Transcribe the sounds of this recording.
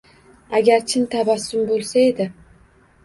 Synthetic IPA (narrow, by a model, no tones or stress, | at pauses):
aɡʲaɾt͡ʃʰɪnt̪ʰabasːʊmbolˠsae̞d̪ɪ